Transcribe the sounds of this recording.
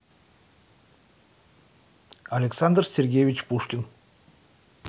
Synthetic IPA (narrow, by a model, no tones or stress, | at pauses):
alʲeksand̪rsʲerɡʲejvʲit͡ʃpʰuʃkʲɪn